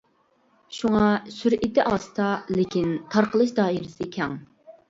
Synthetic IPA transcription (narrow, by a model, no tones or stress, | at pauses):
ʃuŋɑsyɾit̪ɪʔɑːst̪ɑlɪkʲʰint̪ʰɑɾqəlˠɨʃd̪ɑːiɾɪsɨkʲʰɛŋ